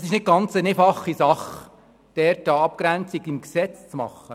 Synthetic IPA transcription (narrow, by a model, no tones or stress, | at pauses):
sɪʃnɪt̚ɡɑnt͡səneːfɑχisɑχ | d̥ɛɾtɑɑp̚kɾænt͡siɡɪmksɛt͡st͡smɑ̰χːə